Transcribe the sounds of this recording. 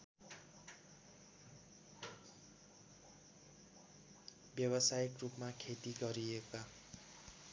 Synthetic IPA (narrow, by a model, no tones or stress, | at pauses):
bjʌbʌsajʌkrupmakʰet̪iɡʌɾieka